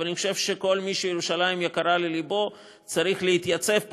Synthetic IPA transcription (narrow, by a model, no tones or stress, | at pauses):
aniχoʃe̞vʃeko̞lmiʃejeʁuʃalaimjakaʁalelibo̞ | t͡saʁiχlehit̪jat͡se̞vp